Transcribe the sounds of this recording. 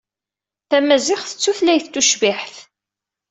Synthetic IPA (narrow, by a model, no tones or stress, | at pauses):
θæmæzɪχθə̥t͡sːuθlæjθt̪ːuʃvɪħθ